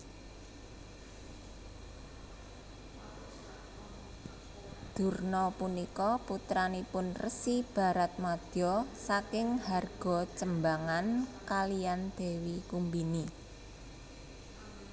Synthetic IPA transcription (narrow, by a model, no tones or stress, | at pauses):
d̪̥ṳrnɔpunikɔput̪ɾanipʊnrəsib̥a̤ɾat̪̚mad̪̥ɔsakɪŋharɡ̥ɔ̤t͡ʃəmbaŋankalijand̪̥e̤wikumbini